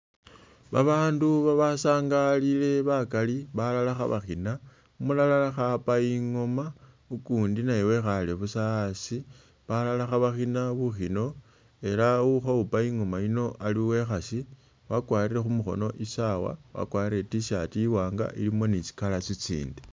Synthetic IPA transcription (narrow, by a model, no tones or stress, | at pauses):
βaβaːnduβaβasaːŋɡalile̞βakaliβalalaxa̰βa̰xina | umulalalaxapaiŋo̞ma | ukuːndinajewe̞xaleβusasi | βalalaxaβaxinaβuxino̞ | e̞lauxaupaiŋo̞maino̞ʔaliwe̞xasi | wakwaːɾiɾe̞xumuxo̞̰no̞ʔisawa̰wa̰kwaːɾire̞tiʃatiiwaːŋɡa̰ʔḭlimo̞nit͡si̥kalat͡sit͡sḭːnde